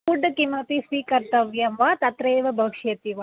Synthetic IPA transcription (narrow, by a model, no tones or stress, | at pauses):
uɖːɐkimɐpisʋiːkɐɾt̪ɐʋjɐmʋaːt̪ɐt̪ɾeːʋɐbʱɐkʂeːt̪iʋa